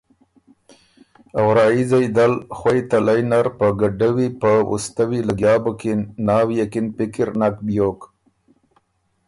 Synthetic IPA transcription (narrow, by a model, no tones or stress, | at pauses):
awɾɑːizajd̪alxwajt̪alajnaɾpəɡaɖawipəṵst̪awilaɡjɑːbokenɑːwjakinpɪkɪɾnak̚bjok